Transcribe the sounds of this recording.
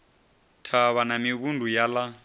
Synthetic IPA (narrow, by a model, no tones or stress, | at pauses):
tʰaβanamiβundʱujala